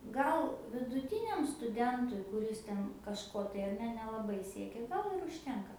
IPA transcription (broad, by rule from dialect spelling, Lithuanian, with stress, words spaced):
ˈɡɐlˠ ʋʲɪdʊˈtʲɪnʲɛm stʊˈdʲɛntʊɪ kʊˈrʲɪs tʲɛn kɐʃˈkoː tɐɪ ɐr ˈnʲɛ nʲɛlˠɐˈbɐɪ ˈsʲiɛkʲɛ ˈɡɐlˠ ɪr ʊʃʲˈtʲɛŋkɐ